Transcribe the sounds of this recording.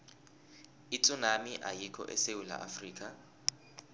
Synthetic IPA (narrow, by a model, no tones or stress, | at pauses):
it͡sʼunamiʔajikʰɔ̰ʔɛsewula̰ʔafriːkʼa